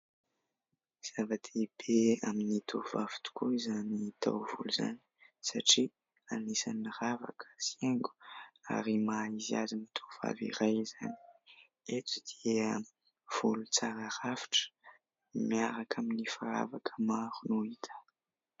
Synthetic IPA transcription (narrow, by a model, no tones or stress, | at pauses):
z̥avat̪ʰeb̥eaminit̪ʰovavi̥t̪u̥kuizanit̪ʰa̰wvṵluza̰ni̥saʈ͡ʂi | anisanirava̰kʰə̥sieŋɡu̥a̰ɾimaizia̰zimit̪ʰov̥a̰vḭɾajza̰ni̥ | et͡sid̪̥iə | v̥ulut͡saɾaɾafi̥ʈ͡ʂə̥ | miaɾakʰaminifaɾa̰vakʰəmaɾunuit̪ʰə̥